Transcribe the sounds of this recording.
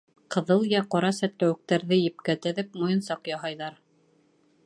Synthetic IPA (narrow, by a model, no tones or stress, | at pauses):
qɤ̆ðɤlˠjæqɑɾɑsæt̪læwɘ̆k̚t̪æɾðɘjɘ̆p̚kæt̪ɘ̆ðɘpmojɤ̆nsɑqjɑɦɑjðɑɾ